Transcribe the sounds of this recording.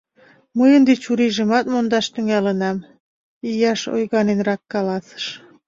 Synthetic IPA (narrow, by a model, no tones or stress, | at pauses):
məjənd̪et͡ɕuɾiʒemɑt̪mond̪ɑʃt̪yŋælənɑm | ijɑʃo̰jɣɑnenrɑkːɑlɑsə̥ʃ